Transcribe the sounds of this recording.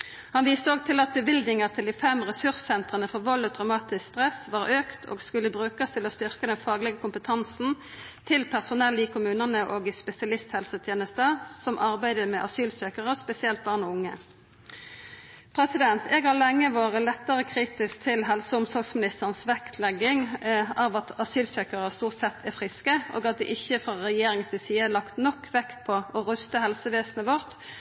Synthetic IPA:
hɑnʋiːst̪əoːɡ̚t̪ʰɪlɑt̪̚bəʋɪld̪nɪŋəʁt̪ʰɪld̪iːfɛmʁɛsʉʁssɛnt̪ʁənəfɔʁʋɔlːət̪ʰʁɑʊmɑːt̪ɪskst̪ʁɛsʋɑːʁøːkt̪ʰo̰ːɡskʉlːəbʁʉːkəst̪ʰɪlɔst̪ʏʁkəd̪ɛnfɑːɡlɪɡəkʰʊmpət̪ʰɑnsn̩ | t̪ʰɪlpʰæʁsʊnɛliːkʰʊmʉːnənəʔoːɡɪspɛsɪɑlɪst̪hɛlsət̪ʰjeːnəst̪əsɔmʔɑʁbæɪd̪əmɛːʔɑsyːlsøːkəʁəspɛsɪɛlt̪̚bɑːʁnɔʊŋːə | pʰʁɛsɪd̪ɛnt̪ɛːɡhɑʁlɛŋːəʋoːʁəlɛt̪ːəʁəkʰʁiːt̪ɪsk̚t̪ʰɪlɦɛlsəʊmsɔlɡsmɪnɪst̪əʁnsʋɛkt̪ʰlɛɡːɪŋɑʋɑt̪ɑsyːlsœːkəʁəst̪uːʁt̪sɛt̪ːʰæfʁɪskəʔo̰ːɡɑt̪̚d̪ɛ̰ːʔɪçːəfʁɑʁɛjeːʁɪŋəsɪsiːəlɑkt̪nɔkʰːʋɛkt̪̚pʰɔɔʁʉst̪əhɛlsəʋeːsnəʋɔʁt̪

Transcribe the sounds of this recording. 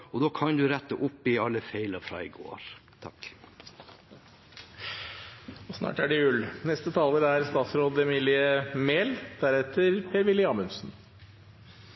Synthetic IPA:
ɔd̪oːkʰɑnd̪ʉɾɛt̪ːəʔʊpːɪɑlːəfeɪləɾfɾɑ̰ːɪɡo̰ːɾt̪ʰɑk | ɔsnɑ̰ːʈæɖɪʉlnɛst̪ət̪ʰɑːləɾæɾst̪ɑːt̪sɾoːd̪ɛmilɪəmeːld̪̥æɾɛt̪əɾpʰeːɾʋɪlːɪɑːmʉnsn

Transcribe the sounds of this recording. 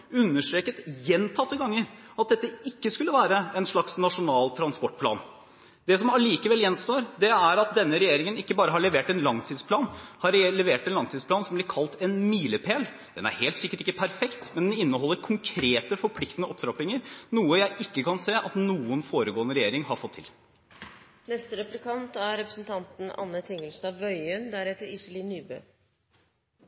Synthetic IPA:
ʉnːəʂʈ̪ɾeːkət̪jɛnt̪ʰɑt̪ːəɡɑŋːəɾ | ɑt̪̚d̪ɛt̪ːəɪkːəskʉlːəʋæːɾəɛnʂɭɑksnɑʂʊnɑːlt̪ʰɾɑnspɔʈ̚ːpʰlɑ̰ːn | d̪ɛsɔmɑliːkəʋɛljɛnːst̪oːɾd̪ɛæɾɑt̪̚d̪ɛnːəɾɛjeːɾɪŋənɪkːəbɑːɾəɦɑɭɛʋeːʈɛnlɑŋt̪ʰiːd̪spʰlɑːnhɑɾlɛʋeːʈɛnlɑŋt̪iːd̪spʰlɑːnsɔmblɪɾkʰɑlt̪ɛnmiːləpʰeːl | d̪̥ɛnæ̰ɾheːlt̪sɪkːəʈɪkːəpʰæɾfɛkt̪mɛnd̪ɛnɪnːəɦɔlːəɾkʰʊŋkʰɾeːt̪əfɔɾpʰlɪkt̪ənəɔpːt̪ɾɑpɪŋəɾnuːəjæɪʔɪkːəkʰɑnseːʔɑt̪nuːənfoːɾəɡoːənəɾɛjeːɾɪŋhɑɾfɔt̪ʰːɪ̰l | nɛst̪əɾɛplɪkʰɑnt̪æɾɛpɾə̥sn̩t̪ʰɑnt̪n̩ɑ̰nːət̪ʰɪŋəlst̪ɑʋœʏənd̪æɾɛt̪ːəɾɪsəliːnyːbøː

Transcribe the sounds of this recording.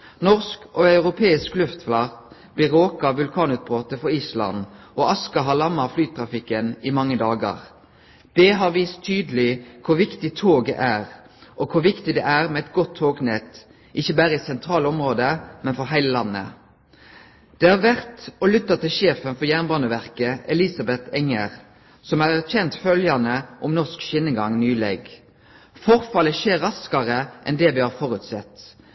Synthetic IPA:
nɔʁskɔɑʉʁʊpʰeːɪsklʉft̪flɑʁt̪ | b̥lɪɾoːkɑʋʉlkʰɑːnʉːt̪̚bʁoːt̪əfɔɾiːslɑ̰n | ɔɑskɑɦɑlɑmːɑflyːt̪ʰʁɑfɪkːənɪmɑŋːəd̪ɑːɡɑ̰ʁ | d̪̥ɛɦɑʁʋiːst̪ʰːyːd̪əlɪkʰʊʋɪkt̪ɪt̪ʰoːɡɛ̰ʔæːʁ | ʔɔkʰʊʋɪkt̪ɪd̪ɛʔæʁmɛɛt̪ɡɔt̪ʰːoːɡnɛt̪ː | ʔɪçəbæːɾəɪsɛnt̪ʰɾɑːlɔmʁoːd̪əmɛnfɔɾɦæɪləlɑnːə̰ | d̪̥ɛæːʋæʁt̪ɔlʏt̪ːɑt̪ːɪlʃeːfənfɔɾjæːʁnbɑːnəʋæʁkəʔɛlɪsɑbɛt̪ʰɛŋːəʁ | sɔmæɾæʁçɛnt̪fœljɑnəʔɔmnɔskʃɪnəɡɑŋnyːleːɡ | fɔɾfɑləʃeːɾːɑskɑʁəʔɛ̰nd̪ɛʋɪhɑːɾfɔːɾʉt̪sɛt̪ː

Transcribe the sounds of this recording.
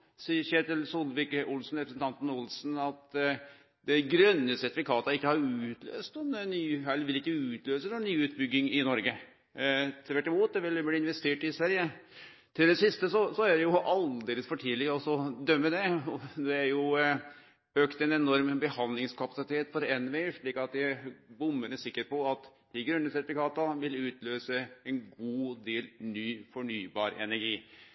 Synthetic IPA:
siːəɾʂeːt̪ɪlsʊlbɪkʊlsnɾɛpɾəsən̩t̪ʰɑnt̪n̩ʊlsnɑt̪ | d̪ɛɡɾœnːəsɛɾt̪ɪfɪkʰɑːt̪əɪkːəhɑɾʉːt̪lø̰ːst̪ɔnnyːɛlʋɪlɪkːəʉːt̪ʰløːsənɔnyːʉːt̪bʏɡːɪŋɪnɔɾɡə | t̪ʰɪʋæʈːɪmuːt̪̚d̪ɛʋɪlbliːɪnʋɛst̪eːʈɪsʋæɾjə | t̪ʰɪld̪ɛsɪst̪əsɔsɔædɛjʊʔɑld̪eːləsfɔʈʰiːlɪəɔsɔd̪œmːəd̪ɛɔd̪ɛæɾjʊ | øːkt̪ɛnɛnɔɾmbəhɑnd̪lɪŋskʰɑpɑsɪt̪ʰeːt̪fɔɾɛnʋeɪəʂɭiːkɑt̪̚d̪ɪbʊmːənəsɪkːəɾpɔɑt̪d̪̥ɪɡɾʉnːəsɛt̪ɪfɪkʰɑːt̪əʋɪlʉːt̪løːsəɛnɡuːd̪eːlnyːfɔɳyːbɑ̰ːɾɛ̰næɾɡiː

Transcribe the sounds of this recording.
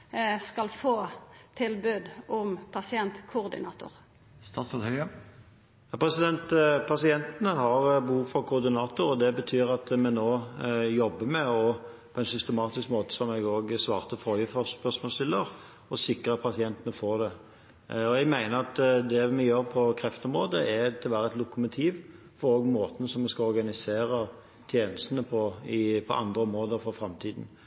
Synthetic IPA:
skɑlfoːt̪ʰɪlbʉd̪ʔʊmpʰɑsɪɛnt̪kʰʊːʁd̪ɪ̰nɑ̰ːt̪ʊ̰ɾ | st̪ɑːt̪sɔt̪hœʏə | ɑpʰɾɛsɪd̪ɛnt̪pʰɑsɪɛnt̪ənəɦɑʁbəhuːʋfɔʁkʰʊːʁd̪ɪnɑːt̪ʊɾɔd̪ɛbət̪ʰyːʁɑt̪mɛnoːjɔbːəmɛɔ | pʰɔɛnsʏst̪əmɑːt̪ɪskmoːt̪ə̥sɔmɛɡoːɡsʋɑ̰ːʁt̪əfɔʁjiːfɔɾspœʁsmɔːlsɪlːəɾ | ɔsɪkɾəpʰɑsɪɛnt̪ənəfoːʁd̪ɛ | ɔɛɡmæɪnəɾɑt̪d̪ɛmɛjøːɾpʰɔkʰɾɛft̪əɔmɾʁoːd̪əɛt̪ʰɪlʋæːɾəɛt̪lʊkʊmʊt̪ʰiːʋ | fɔɾoːɡmoːt̪n̩sɔmɛskɑɔɾɡɑnɪseːɾə | t̪ʰjeːnəst̪ənəpʰɔɪpʰɔʔɑ̰nd̪ɾəɔmɾoːd̪əɾfɔɾfɾɑmt̪ʰiːd̪n̩

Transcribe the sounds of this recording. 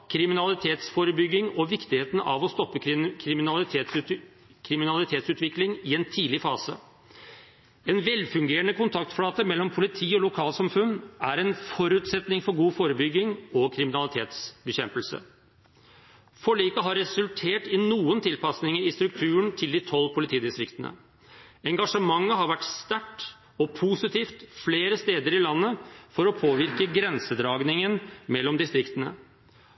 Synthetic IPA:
kʰɾɪmɪnɑlɪt̪ʰeːt̪sfoːɾəbʏɡːɪŋɔʋɪkt̪ɪheːt̪ən̩ɑ̰ʋɔst̪ɔpːəkʰɾɪmɪnɑlɪ | kʰɾɪmɪnɑlɪt̪ʰeːt̪sʉːt̪ʋɪklɪŋɪɛnt̪ʰiːlɪfɑːsə̰ | ɛːnʋɛlfʉŋɡeːɾəɳəkʰʊnt̪ʰɑk̚t̪fɽɑːt̪əmɛlːɔmpʰʊlɪt̪ʰiːɔlʊkʰɑːlsɑmfʉnːæɾɛnfɔɾʉːt̪sɛt̪nɪŋfɔɾɡuːfoːɾəbʏɡːɪŋɔkʰɾɪmɪnɑlɪt̪ʰḛːt̪sbəçɛmpəlsə̰ | fɔɭiːkəɦɑɾɛsʉlt̪ʰeːʈɪnuːənt̪ʰɪlpɑsnɪŋəɾɪst̪ɾʉk̚t̪ʰʉːəɳt̪ʰɪld̪ɪt̪ʰɔlːpʰʊlɪt̪ʰiːd̪ɪst̪ɾɪkt̪ənə̰ | ɛŋɡɑʂəmɑŋːəɦɑɾʋæʈst̪æʈː | ɔpʰusɪt̪ʰiːft̪fleːɾəst̪eːd̪əɾɪlɑnːəfɔɾɔpʰoːʋɪɾkəɡɾɛnsəd̪ɾɑːɡnɪŋənmɛlːɔmd̪ɪst̪ɾɪkt̪ənə̰

